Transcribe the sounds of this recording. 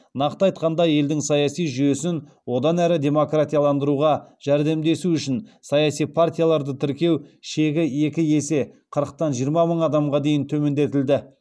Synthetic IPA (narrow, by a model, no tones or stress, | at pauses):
nɑqt̪əɑjt̪̚qɑnd̪ɑje̞ld̪ɪŋsɑjɑsijʒyje̞sɪn | wo̞d̪ɑnæɾɪd̪ʲe̞mo̞krat̪ʲijalˠɑnd̪əɾuʁɑʒ̥æɾd̪e̞md̪e̞suʏʃɪnsɑjɑsijpʰart̪ʲijalˠɑɾd̪ət̪ʰɪɾkʲe̞wʃe̞ɡʲɪe̞kʲɪje̞se̞qʰəɾəq̚t̪ɑnʒijəɾmɑməɴɑd̪ɑmʁɑd̪e̞jɪnt̪ʰɵme̞nd̪e̞t̪ɪld̪ɪ